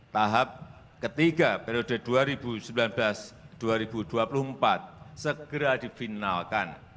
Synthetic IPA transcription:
t̪aɦap̚ | kət̪iɡapeɾiodəduaɾibusəmbilanblasd̥uaɾibuduapuluhmpat̪̚səɡ̥əɾadifinalkan

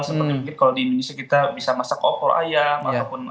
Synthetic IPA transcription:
səmərifilɪkaladiindonesiakit̪abisamasakopɔɾʔa̰jamatapʊn

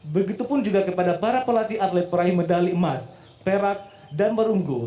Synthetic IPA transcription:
bəɡit̪upʊnd͡ʒuɡakəpadapaɾapəlat̪iʔat̪lɛt̪̚pəɾaimədalimas | peɾat̪̚ | danbəɾuŋɡʊ

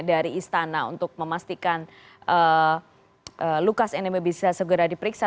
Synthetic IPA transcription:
daɾiːst̪anaṵnt̪ʊk̚məmast̪ikan | ʔə | ʔəlukasɛnemebisasəɡəɾadipəɾiksa

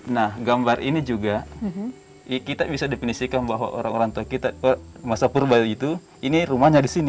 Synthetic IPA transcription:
nahɡambarʔḭnid͡ʒuɡa | kit̪abisadepinisikanbaɦwa̰ʔo̰ɾaŋoɾaŋt̪uakit̪amasapurbait̪u | iniɾumaɲadisini

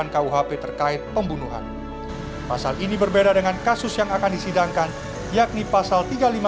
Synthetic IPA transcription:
ankauɦapet̪ərkaɪt̪̚pəmbunuɦa̰n | pasalʔinibərbedadəŋankasʊsjaŋakandisidaŋkan | jak̚nipasalt̪iɡalima

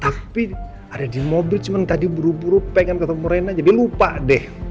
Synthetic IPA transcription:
t̪api | adadimɔbɪlt͡ʃumant̪adibəɾubuɾupɛŋankat̪amuɾenad͡ʒadilupaʔdɛh

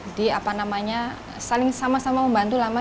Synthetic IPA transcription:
diapanamaɲa | salɪŋsamasamaməmbant̪ulama

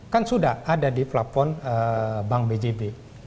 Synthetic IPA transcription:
kansudahadadiflapɔnəbaŋbed͡ʒebe

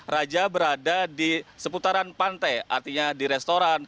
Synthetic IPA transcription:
rad͡ʒabəɾadadisəput̪aɾanpant̪ajʔa̰rt̪iɲadiɾɛst̪oɾan

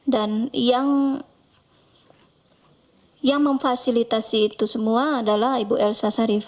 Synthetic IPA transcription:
danjaŋ | jaŋməɱfasilit̪asiːt̪usəmuaːdalahibuʔɛlsasaɾif

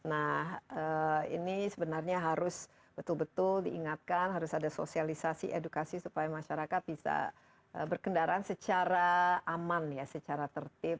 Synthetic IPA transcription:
nahəḭnisəbənarɲaɦaɾʊs | b̥ət̪ʊlbət̪ʊldiːŋat̪̚kanɦaɾʊsadaso̰sialisasḭʔedukasisupajamaʃaɾakat̪̚bisa̰ | ʔəbərkəndaɾaansət͡ʃaɾaːmanjasət͡ʃaɾat̪ərt̪ɪp̚

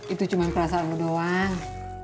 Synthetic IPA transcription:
it̪ut͡ʃumanpəɾasaanludoaŋ

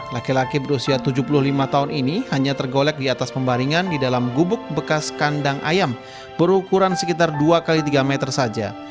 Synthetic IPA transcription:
lakilakibəɾusiat̪ud͡ʒupulʊhlimat̪auninihaɲat̪ərɡolɛk̚diat̪aspəmbaɾiŋandidalamɡubʊk̚bəkaskandaŋʔa̰jam | b̥əɾukuɾansəkit̪arduakalit̪iɡamɛt̪ərsad͡ʒa̰

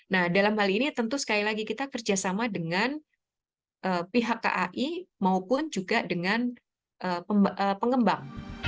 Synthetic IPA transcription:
nahdalamɦalinit̪ənt̪usə̥kalilaɡikit̪akərd͡ʒasamadəŋan | ʔəːpiɦakːa̰ʔaʔimaupʊnd͡ʒuɡadəŋan | ʔəːəmʔəpəŋɡəmbaŋ

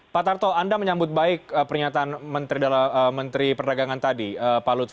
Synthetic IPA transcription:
pat̪art̪oandaməɲambʊt̪̚baɪkəpərɲat̪aːnmənt̪ɾidalaəmːənt̪ɾipərdaɡaŋant̪adiəpalʊt̪

